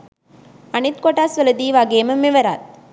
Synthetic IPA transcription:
ɐnit̪koʈaːsʋɐlɐd̪iːʋaːɡeːmɐmːiʋɐɾa̰ːt̪̚

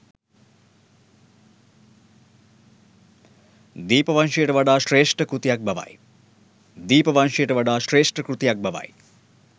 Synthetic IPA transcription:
d̪iːpɐʋɐnʃɐjeʈɐʋɐɖaːʃɾeːʂʈɐkɾut̪jk̚bʱɐʋa̰ːj | d̪iːpɐʋɐnʃɐjʈɐʋɐɖaːʃɾeːʂʈɐkɾut̪jak̚bʱɐʋa̰ːj

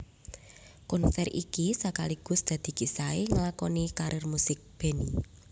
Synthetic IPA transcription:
kɔnsɛrḭkisakaliɡ̥ʊ̤sd̪̥ä̤d̪̥i̤kisaeŋlakɔnikaɾʔɪrmusɪk̚b̥e̤ni

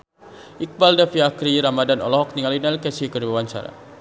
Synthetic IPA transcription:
ʔik̚baldafiakɾiɾamadanɔ̰lɔɦɔk̚niŋalinalkɛsikədbawaɲt͡ʃa̰ɾa̰

